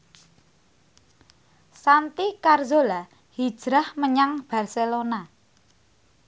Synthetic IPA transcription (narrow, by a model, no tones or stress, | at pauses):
sant̪ikarzola | hi̥ʒ̥ɾahməɲaŋb̥a̤rselona